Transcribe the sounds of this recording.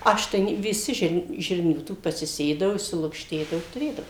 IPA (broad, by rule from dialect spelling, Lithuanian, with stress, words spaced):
ˈɐʃ tɐɪ nʲɛ ʋʲɪˈsʲɪ ʒʲɪrn ˈʒʲɪrʲnʲuː ˈtuː pɐsʲɪˈsʲeːdɐʋʊ ɪʃʲsʲɪlˠʊkʃʲˈtʲeːdɐʋʊ ɪ tʊˈrʲeːdɐʋʊ